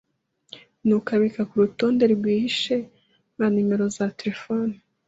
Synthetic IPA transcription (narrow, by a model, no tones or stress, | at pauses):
nukaβikakuɾuto̞ːndeɾɾɡwiːhiʃe̞ | βanime̞ɾo̞zateɾefoni